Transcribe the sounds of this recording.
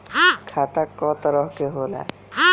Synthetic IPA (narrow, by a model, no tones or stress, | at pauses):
kʰat̪akːɔt̪aɾɔɦkeɦola̰